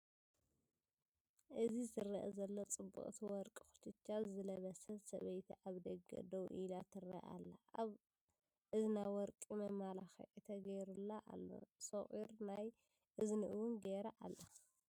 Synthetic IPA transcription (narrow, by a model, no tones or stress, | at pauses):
ʔɨzizɨrːɐʔɐzɐlːot͡sʼɨbːṵʔʼt̪ʰiwɔɾkʼi̥xu̥t̪ʰɨt͡ʃːazɨlɐβɐsɐlsɐβɐjt̪ʰiʔaβd̪ɐɡɐ̰d̪ɐwʔilat̪ʰɨrɐ̰ʔa̰lːaβ | ʔɨzinajwɔɾkʼimɐmalaxɐ̰ʔit̪ʰɐɡɐjɾulːaʔa̰lːo̰sɐχʼiɾnaj | ʔɨznɨʔɨwʊnɡeɾɐʔalːa